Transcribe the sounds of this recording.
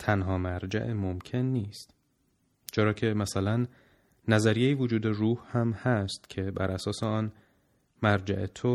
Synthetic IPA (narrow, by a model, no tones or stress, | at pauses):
t̪ʰænɦɒːmæɾd͡ʒæ̰ʔemomcʰe̞nːiːst̪ | t͡ʃʰeɾɒːcʰe̞mæsælænː | æzæɾijejivod͡ʒuːd̪eruːhhæmhæst̪cʰe̞bæ̰ɾʔæsɒːseɒːn | mæɾd͡ʒæ̰ʔet̪ʰo